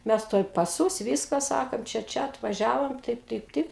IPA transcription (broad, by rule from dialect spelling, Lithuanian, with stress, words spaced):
ˈmʲɛs ˈtuɔj pɐˈsuːs ˈʋʲiːskɐ ˈsɑːkɐnt ˈt͡ʃʲɛ ˈt͡ʃʲɛ ɐtʋɐˈʒʲæːʋoːm ˈtɐɪp ˈtɐɪp ˈtɐɪp